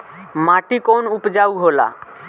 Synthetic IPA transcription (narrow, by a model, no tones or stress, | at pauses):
maʈikonupd͡ʒauɦola̰